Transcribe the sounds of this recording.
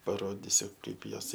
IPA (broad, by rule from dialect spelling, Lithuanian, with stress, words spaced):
pɐˈroːdʲɪsʲʊ ˈkɐɪp ˈjoːs